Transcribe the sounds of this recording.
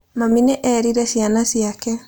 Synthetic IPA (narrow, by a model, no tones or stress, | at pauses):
mamineʔɛːɾiɾɛsjanasiakɛ